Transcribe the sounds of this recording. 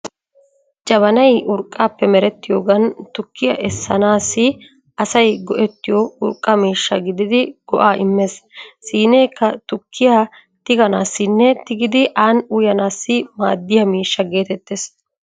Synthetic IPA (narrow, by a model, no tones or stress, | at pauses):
t͡ʃʼɐβɐnɐjʊɾkʼːaːpːɛmɛɾɛt̪ːɪjo̞ːɡɐnt̪ʊkʰːɪjɐ̰ʔɛsːɐnaːsːɪ | ɐsɐjɡɔʔɛt̪ːɪjoʊɾkʼːɐmiːʃːɐɡɪd̪ɪd̪ɪɡ̥ɔʔaːʔɪmːessiːne̞ːkːɐt̪ʊkʰːɪjaː | t̪ɪɡɐnaːsːɪnːɛt̪ɪɡɪd̪ɪʔaːnʊjɐnaːsːɪma̰ːd̪ːɪjɐmiːʃːɐɡe̞ːt̪ɛt̪ːes